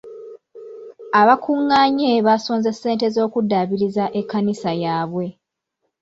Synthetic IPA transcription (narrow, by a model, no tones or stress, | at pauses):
aβakʰuŋːaːɲeβaːsoːnzesːe̞ːnte̞zo̞ːkudːaːβiɾizaʔekːanisajaːβwe̞